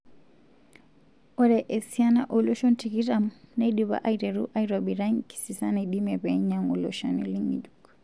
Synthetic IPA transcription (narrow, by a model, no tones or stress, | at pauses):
ɔɾɛʔɛsianaʔɔlɔʃɔntikiɾamnaɗiβa̰ʔajɾɛɾṵʔajɾobiɾaŋki̥sisanaɗimɛbɛɲamṵlɔ̰ʃa̰nḭliŋɡḭd͡ʒuk